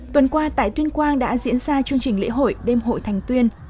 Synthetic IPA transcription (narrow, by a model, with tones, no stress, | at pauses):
t̪wə˨˩nkwaː˧t̪a̰ː˧˨jt̪wi˧ənkwaː˧nɗa̰ː˧˥zḭ˧˥ənzaː˧t͡ɕɨ˧əŋt͡ɕï˨˩ŋ̟lḛ˧˥ɦo̰˧˨jɗe˧mɦo̰˧˨jt̪ʰa˨˩jŋ̟t̪wi˧ən